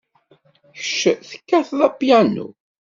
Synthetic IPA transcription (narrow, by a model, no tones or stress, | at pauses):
çəʃəθə̥kːæθðˤæpjænṵ